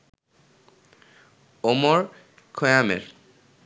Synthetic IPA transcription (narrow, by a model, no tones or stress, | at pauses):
omoɹ | kʰojamḛɹ